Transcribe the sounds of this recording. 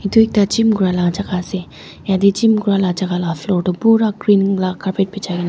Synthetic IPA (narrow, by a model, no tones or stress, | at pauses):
it̪uek̚t̪at͡ʃimɡuɾalat͡ʃakase | jãd̪et͡ʃimɡuɾalat͡ʃakalafloːʈopuɾakɾiːnlakaɾpeʈ̚pet͡ʃaɡin